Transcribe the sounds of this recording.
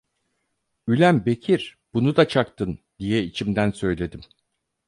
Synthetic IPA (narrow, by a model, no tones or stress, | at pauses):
ylʲæmbe̞cʰiɾ̥b̥unud̪at͡ʃʰakt̪ʰɯn | d̪̥ijɛit͡ʃʰimd̪ænsø̞jlʲe̞d̪im